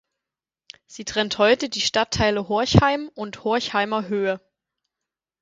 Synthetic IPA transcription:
z̥iːtʁ̥ɛnthɔʏtədiːʃtatʰːaɪləɦɔɐçhaɪmʊnthoɐçhaɪmɐɦøːə

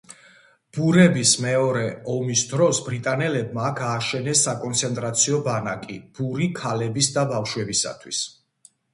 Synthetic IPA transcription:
b̥uɾɛbismɛɔɾɛɔmisd̪ɾɔsbɾit̪ʼanɛlɛbmaːkʰaːʃɛnɛsːakʼɔnt̪sʰɛnt̪ʼɾat̪sʰiɔbanakʼib̥uɾikʰalɛbisd̪abafʃwɛbisa̰t̪ʰwḭs

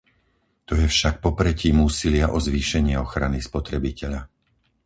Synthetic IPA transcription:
t̪ɔjɛfʃak̚pɔpɾɛciːmuːsilɪaʔɔzʋiːʃɛɲɪɛɔxɾanispɔt̪ɾɛbicʰɛʎa

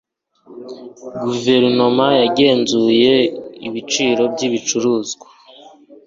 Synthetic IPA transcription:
ɡuve̞ɾino̞majaɟe̞ːnzuje̞iβit͡ʃiːɾo̞bɟiβit͡ʃuɾuːzɡwḁ

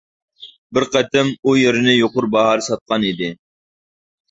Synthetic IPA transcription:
bɪɾqɛt̪ʰɪmujeɾɪnɪjoqʊɾbɑɦɑːɾɨsɑt̪̚qɑnid̪ɪ

